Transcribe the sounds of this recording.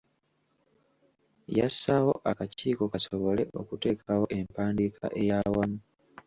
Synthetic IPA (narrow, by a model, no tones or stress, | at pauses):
jasːawo̞ʔakaciːko̞kaso̞βo̞le̞ʔo̞̰kute̞ːkʰawo̞ʔe̞mpaːndikʰa̰ʔe̞jawamu